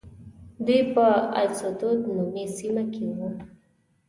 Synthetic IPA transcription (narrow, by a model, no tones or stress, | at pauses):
d̪ujpəa̰lsot̪od̪numesimakewu